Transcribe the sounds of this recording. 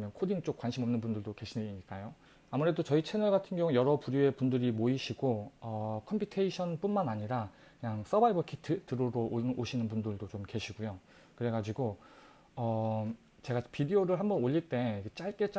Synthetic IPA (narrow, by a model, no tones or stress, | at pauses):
mjʌnkʰodiŋt͡ɕ͈ok̚kwanɕʰimʌmnɯnbundɯɭdoke̞ɕʰineiɲik͈ajo | amuɾe̞dot͡ɕʌit͡ɕʰe̞nʌɭɡatʰɯnɡjʌŋujʌɾʌpuɾjoe̞pundɯɾimoiɕʰiɡoʌkʰʌmpʰitʰeiɕʰʌnp͈unmanaɲiɾa | kɯɲaŋs͈ʌbaibʌkʰitʰɯtɯɾoɾoʔoɕʰinɯnbundɯɭdot͡ɕomke̞ɕʰiɡujo | kɯɾe̞ɡad͡ʑiɡo | ʌ | t͡ɕe̞ɡapidioɾɯɭɦambʌnoʎːiɭt͈e̞ket͡ɕ͈aɭk͈e̞t͡ɕ͈